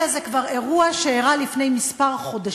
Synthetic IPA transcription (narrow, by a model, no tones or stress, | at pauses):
azekvaʁe̞ʁuaʃeiʁalifne̞jmispaʁχo̞da